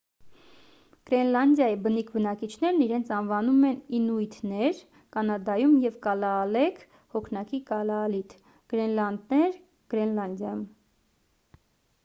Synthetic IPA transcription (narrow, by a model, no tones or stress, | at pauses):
ɡ̥ɾɛnlɑnd̪jɑjibənikʰbənɑkit͡ʃʰn̪ɛɾniɾɛnt͡sʰɑnvɑnumɛninujt̪ʰnɛɾ | kɑnɑd̪ɑjumjɛvkɑlɑːlɛkʰ | hɔkʰnɑkikɑlɑːlit̪ʰ | ɡ̥ɾɛnlɑnd̪nɛɾ | ɡ̥ɾɛnlɑnd̪jɑjum